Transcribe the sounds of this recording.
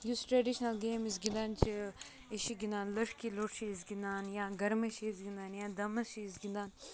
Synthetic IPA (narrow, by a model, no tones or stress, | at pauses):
jusʈɾeːɖiʃnɐlɡeːmizɡɪnd̪aːnt͡ʃ | eʃiɡɪnd̪aːnləʈkiloʈʃizɡɪnaːnjaːɡɐɾmeʃizɡɪnd̪aːnjaːd̪ɐmɐʃizɡɪnd̪aːn